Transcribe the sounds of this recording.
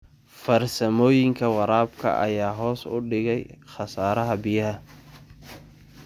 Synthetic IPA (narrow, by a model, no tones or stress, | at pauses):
fɐrsɐmɔːjɪŋkʰɐwɑɾaːbkʰɐ̰ʔɐ̰jaːɦɔːsʊ̰ɖɪɣɛjχɑsaːɾɐɦɐbɪjɐɦɐ